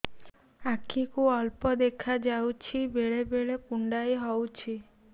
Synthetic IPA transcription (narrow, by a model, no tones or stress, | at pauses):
akʰikuɔlpɔd̪ekʰad͡ʒawt͡ʃʰibeɭebeɭekuɳɖajɦɔwt͡ʃʰi